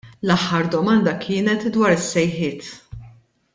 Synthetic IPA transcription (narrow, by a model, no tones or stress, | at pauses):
lɐħːɐɾd̪ɔmɐnd̪ɐkʰɪːnɛt̪d̪wɐːɾɪsːɛjħɪːt̪